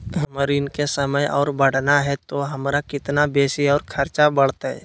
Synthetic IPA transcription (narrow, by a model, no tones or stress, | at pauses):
ɦməɾiːnkesəməjɔ̰ːɾbəɽ̤naɦɛt̪oɦɐmɾakɪt̪nabeːsiɔːɾkʰɐɾt͡ʃabəɽ̤t̪aɦɛ̰ː